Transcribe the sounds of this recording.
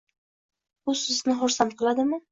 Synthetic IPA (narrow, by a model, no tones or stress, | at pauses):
bʊɵznɪχɒɾsanqʰɨlˠad̪ɪmɪ